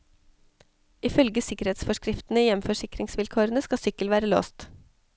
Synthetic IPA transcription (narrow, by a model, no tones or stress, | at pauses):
ʔɪfœlɡəsɪkəɾheːt̪sfɔʂkɾɪft̪ən̩əjɛmfɔʂɪkɾɪŋsʋɪlkʰoːɾənəskɑsʏkəlʋæːɾəlo̰ːst̪